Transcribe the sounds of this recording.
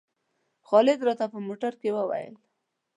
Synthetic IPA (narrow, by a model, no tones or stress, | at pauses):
xɑlɪd̪ɾɑt̪apəmoʈaɾkewəwa̰jə̰l